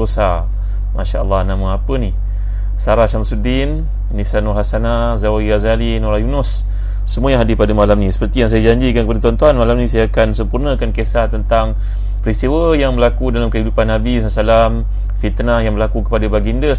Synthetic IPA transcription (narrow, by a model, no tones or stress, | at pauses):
osa | mʔa̰ʃa̰ʔə̰lːɑhnãmaapəni | saɾaʃamsudinː | isanɔɦasana | zawiɣazalinoɾajunusː | əmuajaŋɦadɪpadamalamnĩsə̥pərt̪ijaŋs̬ajad͡ʒaɲd͡ʒikankəpadat̪uant̪uɦanmalamnĩsajaːkansəmpurnəkankesat̪ənt̪aŋ | pəɾist̪iwəjaŋbəlakudalamkəɦidupanːabisasalam | fit̪najaŋbəlakukə̥padabaɡindəs